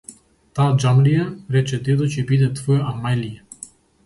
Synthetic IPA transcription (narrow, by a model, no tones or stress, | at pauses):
t̪aːd͡ʒamlijaɾɛt͡ʃɛd̪ɛd̪ocɛbid̪ɛt̪vɔjɛʔamajlijɛ